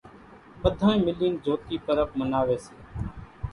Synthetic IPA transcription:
ɓəd̪ʱãːẽːmɪliːnd͡ʒʱoːt̪iːpəɾək̚mənaːʋeːseː

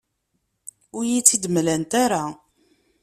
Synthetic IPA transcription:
ʊɾjit͡sːid̪mlænt̪aɾa

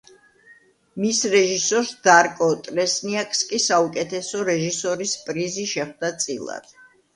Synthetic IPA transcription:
misɾɛʒisɔɾsd̪̥aɾkʼɔt̪ʼɾɛsniakʼskʼisaukʼɛt̪ʰɛsɔɾɛʒisɔɾispʼɾiziʃɛχd̪at̪sʼilˠa̰d̪̥

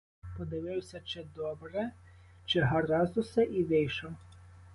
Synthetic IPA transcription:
pɔd̪ɪʋɪwsʲɐt͡ʃɪd̪ɔbɾɛ | t͡ʃɪɦɐɾɑzʊsɛʔiʋɪjʃɔw

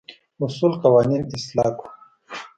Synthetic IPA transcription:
usuːlqɐwaːniːnɪslaːku̥

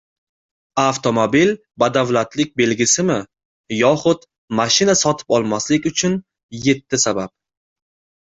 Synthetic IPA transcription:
aft̪ʰo̞mobil | bad̪avlat̪lɪk̚ʲbe̞lɡʲɪsɪmɪ | jɒχʊt̪ | maʃɪnasɒt̪ʰɪ̥pɒlˠmaslɪkʲʊt͡ʃʰʊn | je̞t̪ʰːɪsabap̚

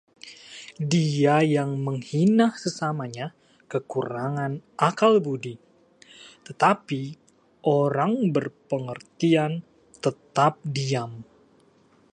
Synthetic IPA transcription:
diajaŋməŋhinahsəsamaɲa | kəkuɾaŋanʔakalbudi | t̪ət̪api | ʔoɾaŋbərpəŋərt̪ian | t̪ət̪ap̚diam

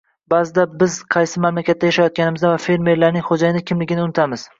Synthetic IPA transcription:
bazɪd̪abɪzqʰɑjsɪmamlakʲʰat̪ːajaʃajɒt̪̚kʲanɪmɪzd̪avafe̞ɾme̞ɾlaɾnɪŋχod͡ʒajɪnɪkʲʰɪmlɪɡʲɪnɪʊnɪt̪ʰamɪz̥

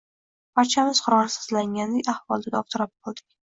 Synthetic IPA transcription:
pʰaɾt͡ʃʰamɪz̥qʰʊɾɒnasɪ̥zlaŋɡʲand̪ekʲahvɒlˠd̪aɡʲɒp̚t̪ʰʊɾɒp̚bɒlˠd̪ɪk̚ʲ

